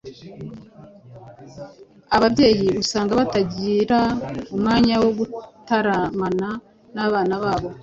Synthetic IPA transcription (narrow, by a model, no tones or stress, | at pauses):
aβabɟe̞ːjiusaːŋɡaβataɟiɾaumŋaːɲawo̞ɡutaɾamana | naβaːnaβaːβo̞